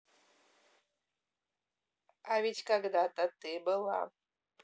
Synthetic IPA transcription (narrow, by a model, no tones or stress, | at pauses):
avit͡ɕʲkaɡd̪at̪at̪ɨbɨlˠa̰